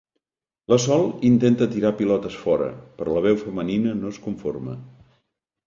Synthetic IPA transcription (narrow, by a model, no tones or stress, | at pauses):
ləsɔlˠint̪ent̪ət̪iɾapilɔt̪əsfɔɾə̰pɾɔləβ̞ɛwfəməninənoskuɱformə̰